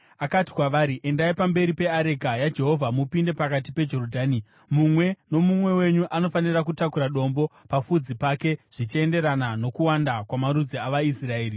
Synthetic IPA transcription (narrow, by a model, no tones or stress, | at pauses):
akati̥kwaʋaːɾiʔe̞ndaipambe̞ɾipe̞aɾe̞kajad͡ʒe̞ɦo̞vʱamupinde̞pakat̬ipe̞d͡ʒo̞rodʱaːni | mumwe̞no̞mumwe̞we̞ɲuʔano̞fanirak̬utakuɾaɗo̞mbopafud͡zipake̞ʐ̥it͡ʃie̞nde̞ɾanano̞kuwandakwamaɾud͡ziaʋaisrae̞ːri